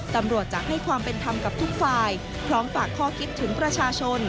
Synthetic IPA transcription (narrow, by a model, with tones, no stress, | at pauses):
t̪a˧mɾu˨˩ət̪̚t͡ɕaː˨˩k̚ha˥˩jkʰwaː˧mpe˧nt̪ʰa˧mka˨˩p̚t̪ʰu˦˥k̚faː˧j | pʰɾɔː˦˥mfaː˨˩kʰːɔː˥˩kʰi˦˥t̪ʰːɯ˩˦ŋpɾa˧t͡ɕʰaː˧t͡ɕʰo˧n